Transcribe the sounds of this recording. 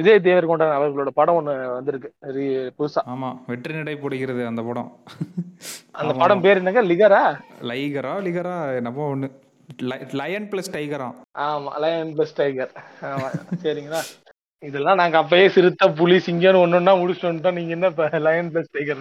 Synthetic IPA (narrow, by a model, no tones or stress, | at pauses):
ʋɪðɐjɐt̪̬ːeːʋɐɾkoːɳɖɐːɐʋɐɾɣɐɭoːɽɐpɐɽɐ̃mɔnːɯʋɐnd̪ɯɾɯkːɯ̥ɾipʊðɯsaːaːmaːʋɛʈːɾɪnɪʈɐɪpɔːɽɪɣɪɾɐðɯɐnd̪ɐpɐɽɐ̰̃ | ɐnd̪ɐppɐɽɐ̃mpeːɾɛnːɐŋɡɐlɪɣɐɾaːlɐjkɐɾõːlɪɣɐɾaɛnːɐpːõːɔnːɯ | lɐlɐjɐnplɐsʈɐɪkɐɾã̰ː | ʔaːma̰ːlɐjɐnplɐsʈɐɪkɐɾaːma̰ːsɐɾiːŋɡɐnːaː | ɪðɛlːãːnaːŋɡɐːp̬ːɐjeːsɪɾɯt̪ːɐp̬ʊlisɪŋɡenɯɔnːɯnːaːmʊɽɪsonːɯʈːãniːŋɡɐɛnːɐpːɐlɐjɐnplɐsʈɐɪkɐɾ